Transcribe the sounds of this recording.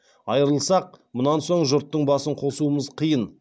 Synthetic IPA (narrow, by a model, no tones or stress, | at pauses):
ɑjəɾəlˠsɑq̚mʊnɑnso̞ɴʒʊɾt̪ːəɴbɑsəɴqʰo̞suəməzqʰəjən